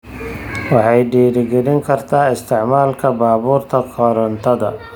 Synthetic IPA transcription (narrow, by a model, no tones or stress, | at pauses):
wɑħɑjɖiːɾɪɡɛlɪŋkʰɐrt̪ʰaːɪst̪ʰɪʕmaːlkʰɐbaːβuːrt̪ʰɐkʰɔɾɐnt̪ʰɐðɐ